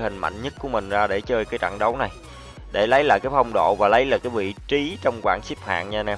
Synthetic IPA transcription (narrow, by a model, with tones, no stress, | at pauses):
hï˨˩ŋ̟mʔa̰˧˨jŋɲə˦˥t̚ku˧˩əmï˨˩ŋ̟zaː˧ɗe˧˩t͡ɕəː˧jkaː˨˦jt͡ɕa̰˧˨ŋɗə˨˦wna˨˩j | ɗe˧˩lə˨˦jlaː˧˨jkaː˨˦jfə˧wŋ͡mɗo̰˧˨vaː˨˩lə˨˦jlaː˨˩kaː˨˦jvḭ˧˨t͡ɕi˨˦t͡ɕɔ˧wŋ͡mkwaː˧˩nsi˦˥p̚ha̰ː˧˨ŋɲa˧na˧˩